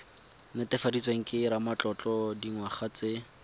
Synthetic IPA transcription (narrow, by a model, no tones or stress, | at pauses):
nɪtɪfadit͡sweŋ̩kʼɪɾamat͡ɬɔt͡ɬɔdiŋwaχat͡se